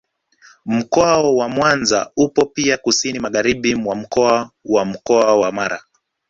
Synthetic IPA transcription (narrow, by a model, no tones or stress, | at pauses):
m̩kɔaɔwamwanza̰upɔpiakusinimaɣaɾiɓimwam̩kɔawam̩kɔawamaɾa̰